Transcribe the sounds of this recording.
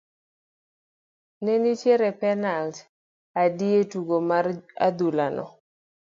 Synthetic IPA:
nenit͡ʃjeɾɛpɛnalt | adietuɡomara̰d̪ulanɔ̰

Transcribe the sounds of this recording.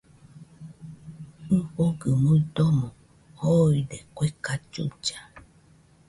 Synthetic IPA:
ɸoɡɨmũid̪omõ | hoiɖekʷekat͡ʃṵt͡ʃa

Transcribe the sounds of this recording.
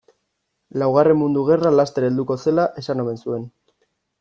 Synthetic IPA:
lawɣ̞are̞mːund̪uɣ̞e̞ralast̪eɾe̞ld̪uko̞se̞laʔe̞sanome̞nsue̞n

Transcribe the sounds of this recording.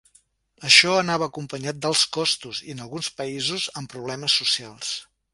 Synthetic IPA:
əʃɔənaβəːkumpəɲat̪̚d̪əlˠskɔst̪uzḭənəlˠɣunspəizuzəmpɾuβ̞lɛməsːusialˠs

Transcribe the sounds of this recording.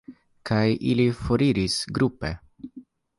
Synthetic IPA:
kʰajʔilifoɾiɾisɡɾupḛ

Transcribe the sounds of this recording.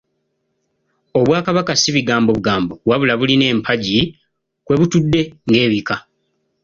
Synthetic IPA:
o̞βwaːkaβakasiβiɡaːmbo̞βuɡaːmbo̞waβulaβuline̞ːmpʰaɟi | kwe̞βutudːe̞ŋɡe̞ːβika

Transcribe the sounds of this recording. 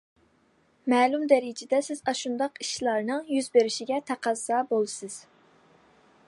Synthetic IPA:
mɛːlumd̪ɛɾɪd͡ʒɛd̪ɛsɪzɑʃund̪ɑqi̥ʃlˠɑɾnɨŋjyzbeɾɪʃiɡʲɛt̪ʰæqʰɑzːɑːbolˠɨsɨz̥

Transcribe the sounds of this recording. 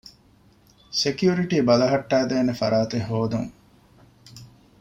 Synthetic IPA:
sekijuɾiʈiːbɐlɐɦɐʈːæːd̪eːnefɐɾaːt̪eɦoːd̪ṵŋ

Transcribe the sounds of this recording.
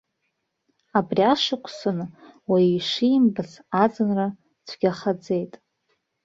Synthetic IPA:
abriaʂɨkʷʰsɨnwaiʂimbɨsad͡zɨnra | t͡sʷʰɡʲaχad͡ze̞jtʼ

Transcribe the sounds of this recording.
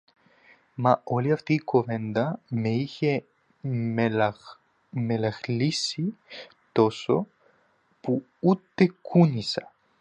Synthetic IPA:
mɐo̞liɐft̪iːko̞ve̞nd̪ɐmeiçe | melɐxlisi | t̪o̞so̞̰ | pu | ut̪e̞kʰunisɐ

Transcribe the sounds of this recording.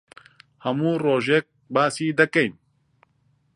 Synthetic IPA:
hɐmuːroːʒek̚baːsiːd̪ɐkɐjn

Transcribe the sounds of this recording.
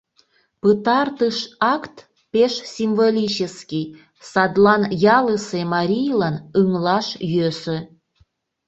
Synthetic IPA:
pɨt̪ɑrt̪əʃɑkt̪ | peʃsʲimvolʲit͡ɕəskʲij | sɑd̪lɑnjɑləsemɑɾʲijlɑnɯŋlɑʃjøsø̆

